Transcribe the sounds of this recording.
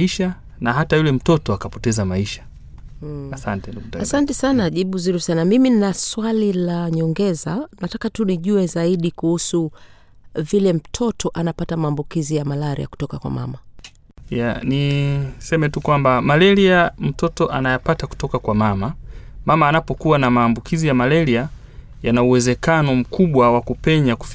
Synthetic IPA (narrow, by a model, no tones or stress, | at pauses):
iʃa | naɦatajulɛm̩tɔtɔakapɔtɛzamaiʃḁ | asantɛasantɛsanaʄiɓuzuɾusanamiminaswalilaɲɔŋɡɛzanatakatuniʄuɛzaiɗikuhusu | vilɛm̩tʰɔtɔʔanapatamaːmbukizijamalaɾḭja̰ku̥tɔkakwa̰ma̰ma | janisɛmɛtukwambamalɛɾiam̩tɔtɔʔanajapataku̥tɔkakwamamamamaːnapɔkuwanamaːmbukʰizijamalɛɾia | janauwɛzɛkanɔm̩kʰuɓwawakupɛɲaku̥f